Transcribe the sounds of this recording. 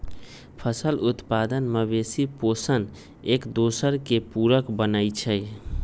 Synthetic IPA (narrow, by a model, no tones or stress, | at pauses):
pʰəsəlut̪pad̪ənməbesiposən | ekd̪osəɾkepuɾəkbənəjt͡ʃʰəj